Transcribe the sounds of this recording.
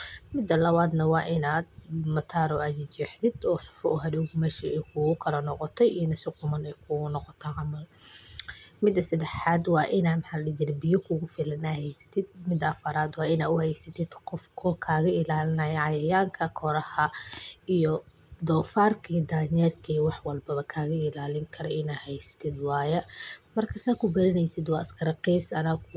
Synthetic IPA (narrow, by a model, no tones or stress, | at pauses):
mɪd̪ːɐlɐβaːd̪nɐwɑːʔɪnaːd̪̚mɐt̪ʰaːɾɔɐd͡ʒɪt͡ʃɛħt̪ʰɪd̪ɔːsʊ̥fɔʊɦɐduːɡmɛːʃiɛjkʰʊɣʊkʰɐlɐnɔqɔt̪ʰɛjiːnɐsɪqʊmɐnɛjkʰʊɣʊnɔqɔt̪ʰɐʕɑmɐl | mɪd̪ːɐsɐd̪ɛħaːd̪wɑːʔɪnaːmħaːlɪd͡ʒɪɾbɪjɔkʰʊɣʊfɪlɐnaːhɛjsɐ̥t̪ʰɪd̪̚mɪd̪ɐɐfɐɾaːd̪wɑːɪnaːʊhɛjsɐt̪ʰɪd̪qɔfkʰɔkʰaːɣɐʔɪlaːlɪnɐjʕɑjɐjaːŋkʰɐkʰɔɾɐhɐijɔ | d̪ɔːfaːrkʰiːd̪aːɲɛːrkʰiːwɑħwɐlbɐβɐkʰaːɣɐɪlaːlɪŋkʰɐɾɔɪnaːhɛjsɐ̥t̪ʰɪd̪wɑːjɐmɐrkʰɐsaːkʰʊbɐɾɪnɛjsɪd̪wɑːʔɐskʰɐɾɐqiːsɐnɐɣ